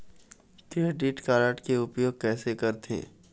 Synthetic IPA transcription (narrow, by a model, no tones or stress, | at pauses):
t̪iɖiːʈkaːɾaːʈkeʊpjoːɡ̚kɛːsekɐɾt̪ḛ̃ː